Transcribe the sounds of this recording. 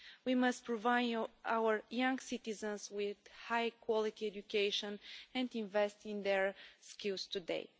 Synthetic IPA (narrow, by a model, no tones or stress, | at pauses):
wiməstpɹɔvaɪawəɹjãŋɡsit̪izə̃nswɪð̥hajkʰwɔlit̪iɛd͡ʒukʰeɪʃə̃nɛ̃nd̪ĩnvɛstĩnd̪ɛɹskilˠst̪ud̪ḛɪ